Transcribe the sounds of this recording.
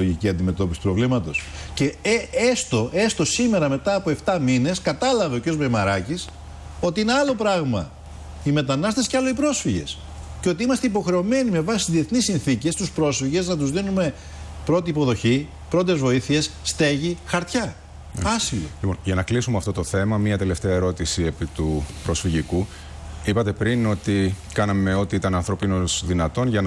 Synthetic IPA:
oʝiciɐnd̪ime̞t̪o̞pisi̥upɾo̞vlimɐt̪o̞sce̞est̪o̞e̞st̪o̞sime̞ɾɐme̞t̪ɐːpo̞eft̪ɐmine̞skɐt̪ɐlɐveoceozmemɐɾɐcis | o̞t̪iineɐlo̞pɾɐɣmɐ̰ | ime̞t̪ɐnɐst̪e̞si̥cɐlo̞ipɾo̞sfiʝe̞̰s | ceo̞t̪̬iimɐst̪eipo̞xɾe̞o̞me̞nime̞vɐsst̪izðie̞θnisinθice̞st̪uspɾo̞sfiʝe̞znɐt̪uzðinume̞ | pɾo̞t̪iːpo̞ðo̞çi | pɾo̞t̪̬e̞zvo̞iθie̞sːt̪e̞ʝixɐɾt̪çɐ | ɐsilolipo̞̰nʝɐnɐklisumeɐft̪o̞t̪o̞θe̞mɐmiɐt̪e̞left̪eɐeɾo̞t̪isiepit̪upɾo̞sfiʝiku | ipɐt̪e̞pɾino̞t̪ikɐnɐme̞o̞t̪iit̪ɐnɐnθɾo̞pino̞sðinɐt̪o̞nʝɐn

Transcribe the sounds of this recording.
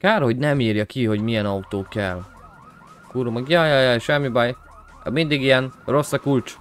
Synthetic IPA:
kaːɾho̞ɟnɛmiːrjɒkiɦo̞ɟmijɛnɒut̪oːkɛl | kuɾumɒɡjɑːjɑjajʃɛmːibaj | ɛ̰mind̪iɡijɛnro̞sːɒkult͡ʃ

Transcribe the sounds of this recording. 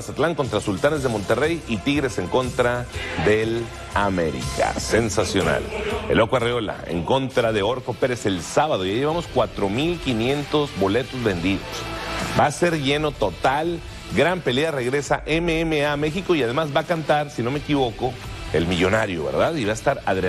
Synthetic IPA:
sat̪laŋko̞nt̪ɾasult̪anezðe̞mo̞nt̪e̞re̞jit̪iɣɾe̞se̞ŋko̞nt̪ɾaðe̞l | ame̞̰ɾḭka̰se̞nsasjo̞na̰le̞̰lo̞kwareo̞la̰ḛŋko̞nt̪ɾaðe̞o̞ɾko̞pe̞ɾe̞se̞lsaβaðojaiʝeβamo̞skwat̪ɾo̞milkinje̞nt̪o̞zbo̞le̞t̪o̞zβe̞nd̪iðo̞̰sbaːse̞ɾʝe̞no̞t̪o̞t̪al | ɡɾampe̞leare̞ɣɾe̞sa̰ʔe̞meemeame̞xiko̞iað̞e̞mazbakant̪aɾsino̞mekiβo̞ko̞ | e̞̰lmiʝo̞naɾjo̞̰βḛɾðaðiβaest̪aɾaðɾe

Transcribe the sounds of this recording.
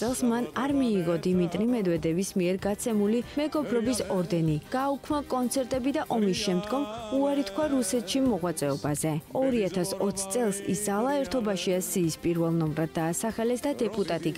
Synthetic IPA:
ɛlˠsmanaɾmiːʁɔd̪imit̪ʼɾimɛd̪vɛd̪ɛvismiɛɾɡat̪sʰɛmulimɛɡɔbɾɔbisɔɾd̪ɛniɡ̥aukʰmakʼɔnt̪sʰɛɾt̪ʼɛbid̪aʔɔmisʃɛmd̪ɡɔmuaɾit̪kʰwaɾusɛt̪ʰʃimɔʁwat̪sʼɛɔbazɛɔɾiat̪ʰasɔt̪sʰt̪sʼɛlˠsḭszalˠaɛɾt̪ʰɔbaʃiasiːspʼiɾvɛlˠnɔmɾad̪ːaːsaχɛlɛsd̪ad̪ɛpʼut̪ʼat̪ʼiɡ

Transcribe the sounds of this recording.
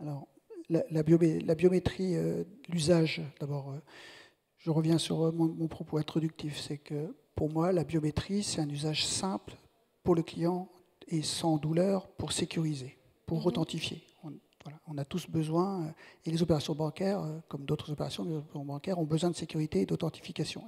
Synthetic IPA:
alɔʁ | lalabjomelabjomet̪χiølyzaʒd̪̥abɔʁø | ʒ̥əʁəvjɛ̃sy̰ʁmɔ̃mɔ̃pχɔpoɛ̃t̪χɔd̪yk̚t̪ifsɛkəpuʁmwalabjomet̪χisɛ̥t̪ɛ̃nyzaʒsɛ̃pl | puʁləklijɑ̃ | esɑ̃d̪ulœʁpuʁsekʲyʁize | puʁːɔt̪ɑ̃t̪ifje | ɔ̃ | vwalaɔ̃nat̪usbəzwɛ̃elezopeʁasjɔ̃bɑ̃kʲɛʁøkɔmd̪ot̪χəzopeʁasjɔ̃eoɔ̃bɑ̃kʲɛʁɔ̃bəzwɛ̃d̪əsekʲyʁit̪eːd̪ot̪ɑ̃t̪i̥fikasjɔ̰̃

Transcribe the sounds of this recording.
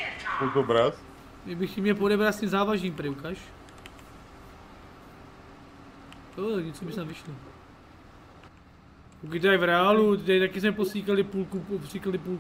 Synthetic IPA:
okobɾat̪ | ɛbɪxcɪmɲɛlp̬odɛbɾat̪scɛmzaːvaʒniːmpɾɛwkaʃ | jot̪akɲɛt͡sobɪst̪avɪʃli | uk̬ɪt̪ɛdajvɾɛalut̪t̪ajt̪akɪsmɛposʲiːkalɪpuːlkupopsiːkalɪpuːl

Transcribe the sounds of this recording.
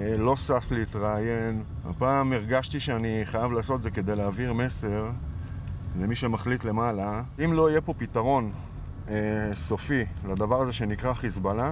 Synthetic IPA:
lo̞sasleit̪ʁaje̞n | a̰paːmeʁɡaʃt̪iʃeaniχajavlaːsot̪ezeke̞d̪e̞jleaːviʁme̞se̞ʁ | le̞miʃemaχlitle̞malaimlo̞ijepo̞pit̪aʁo̞n | eso̞filad̪avaʁazeʃe̞nikʁaχisbala

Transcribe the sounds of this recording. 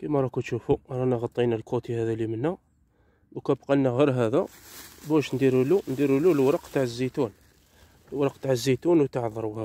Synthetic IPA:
kimæɾˤɑkut̪ʃufuɾˤɑnæɣɑt̪ˤːinælkut̪ihæðælimənːæ | bukæbqɑnːæɣəɾɦæðæ | bæʃnd̪iɾulund̪iɾululwɾɑqt̪aʕəzːit̪un | lwɾˤɑqt̪aʕəzːit̪unwt̪əʕðˤɾˤuhæ

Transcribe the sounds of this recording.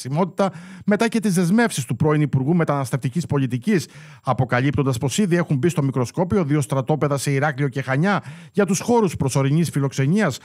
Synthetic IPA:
simo̞t̪i̥t̪ɐme̞t̪ɐce̞t̪izðezme̞fsist̪upɾo̞inipuɾɣume̞t̪ɐnɐst̪e̞ft̪icispo̞lit̪icis | ɐpo̞kɐlipt̪o̞nd̪ɐspo̞siðie̞xumbist̪o̞mikɾo̞sko̞pio̞ðio̞st̪ɾɐt̪o̞pe̞ðɐse̞iɾɐklio̞ce̞xɐɲɐʝɐt̪usxo̞ɾuspɾo̞so̞ɾiɲisfilo̞kse̞ɲiɐs

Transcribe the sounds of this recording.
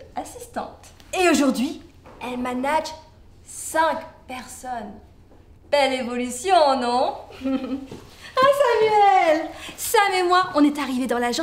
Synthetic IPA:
asist̪ɑ̰̃t̪eoʒuʁd̪ɥi | ɛlmanaʒ | sɛ̃kpɛʁsɔn | b̥ɛlevɔlysjɔ̃nɔ̃ | ãsamyɛlsamɛmwaɔ̃nɛt̪aʁived̪ɑ̃laʒɑ̃

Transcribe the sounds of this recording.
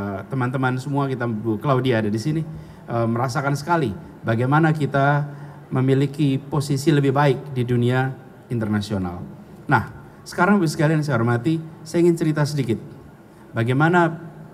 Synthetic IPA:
t̪əmant̪əmansəmuakit̪akəlaudiaːdadisini | ʔəməɾasakansə̥kali | baɡajmanakit̪a | məmilikiposisiləbɪhbaɪk̚didunia | int̪ərnasiona̰lnah | sə̥kaɾaŋsə̥kalians̬əaɾumat̪isaiŋɪnt͡ʃəɾit̪asədikɪt̪̚ | baɡajmana

